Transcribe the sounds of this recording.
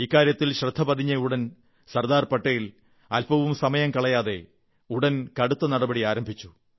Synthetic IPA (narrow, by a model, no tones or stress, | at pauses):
iːkːaːɾjɐt̪ːilɕrɐd̪ʱːɐpɐd̪ʱiɲːɐuɽɐn | sɐrd̪aːrpɐʈːɐjil | ɐlpɐʋumsɐmɐjɐmkɐɭɐjaːðe̞ | uɽɐnkɐɽut̪ːɐnɐɽɐbɐɽiaːɾɐmbʱit͡ɕːu